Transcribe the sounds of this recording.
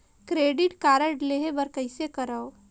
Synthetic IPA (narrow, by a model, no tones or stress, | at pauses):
kɾeːɖɪʈkaːɾəʈleɦebɐɾkəɪsekɐɾəo